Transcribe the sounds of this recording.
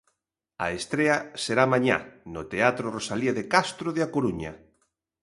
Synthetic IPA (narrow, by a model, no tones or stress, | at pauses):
a̰est̪ɾeɐseɾamãɲa̰not̪eat̪ɾorosaliaðekast̪ɾoðeakoɾuɲɐ